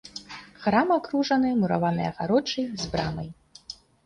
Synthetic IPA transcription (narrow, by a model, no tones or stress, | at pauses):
xɾamakɾuʐɐnɨmuɾa̰vanɨjɐ̰ɣaɾɔt͡ʂɨjzbɾa̰mɐj